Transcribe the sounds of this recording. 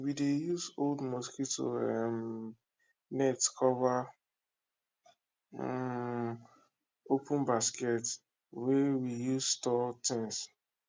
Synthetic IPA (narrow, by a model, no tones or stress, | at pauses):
widejuzoldmɔskitto̰ɛm | nɛtkʰɔva | opʰũnbaskɛt | wɛwijuzstɔtɪ̃ŋs